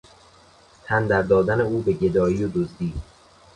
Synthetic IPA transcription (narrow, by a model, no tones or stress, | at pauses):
t̪ʰænd̪æɾd̪ɒːd̪æne̞uːbe̞ɟe̞d̪ɒːiːod̪ozd̪iː